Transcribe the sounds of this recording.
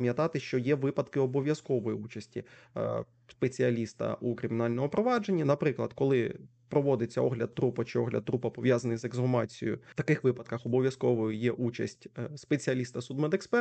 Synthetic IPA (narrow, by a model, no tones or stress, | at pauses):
mjɐt̪ɑt̪ɪʃt͡ʃɔjɛʋɪpɐd̪kɪɔbɔʋʲjɐskɔʋɔjiut͡ʃɐsʲtʲḭ | spet͡sʲiɐlʲist̪ɐ̰ʔukɾɪmʲɪnɑlʲnɔmʊpɾɔʋɑd͡ʒe̞nʲːɐnɐpɾɪklˠɐd̪kɔlˠɪ | pɾɔʋɔd̪et͡sʲːɐɔɦlʲɐd̪̚t̪ɾupɐt͡ʃɪɔɦlʲɐd̪̚t̪ːɾupɐpɔʋʲjazɐnɪjzeɡzɦɔmɑt͡sʲḭjʊ̰t̪ɐkɪxʋɪpɐd̪̚kɐxɔbɔʋʲjɐskɔʋɔjʊjɛʔut͡ʃɐ̰sʲtʲspet͡sʲiɐlʲist̪ɐsud̪mɛd̪ekspɛ